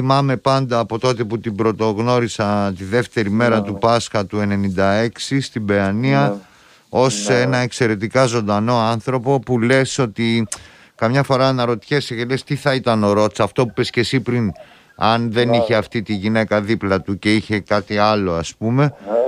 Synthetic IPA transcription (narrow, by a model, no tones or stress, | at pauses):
imɐme̞pɐnd̪ɐːpo̞t̪o̞t̪eput̪ibɾo̞t̪o̞ɣno̞ɾisɐt̪iðe̞ft̪e̞ɾime̞ɾɐt̪upɐsxɐt̪ue̞ne̞nind̪ɐe̞ksist̪ibe̞ɐniɐ | o̞se̞nɐe̞kse̞ɾe̞t̪ikɐzo̞nd̪ɐno̞ɐnθɾo̞po̞pule̞so̞t̪i | kɐmɲɐfo̞ɾɐnɐɾo̞t̪çesecelest̪iθɐit̪ɐno̞ɾo̞t̪i̥t͡sɐft̪o̞pupesce̞sipɾin | ɐnðe̞niçe̞ɐft̪it̪iʝine̞kɐðiplɐt̪uce̞içe̞kɐt̪iɐlo̞ɐspume̞